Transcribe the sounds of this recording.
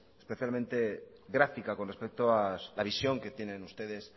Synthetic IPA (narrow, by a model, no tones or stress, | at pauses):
espeθjalmẽ̞nt̪e̞ɣɾafikakonre̞spe̞k̚t̪oalaβ̞isjo̞ŋke̞t̪je̞nẽ̞nust̪e̞ðe̞s